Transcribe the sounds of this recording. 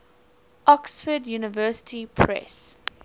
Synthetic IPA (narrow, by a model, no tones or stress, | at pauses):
ʔɔksfədjuːnɪvɜːsɪ̥tʰipʰɹɛ̰s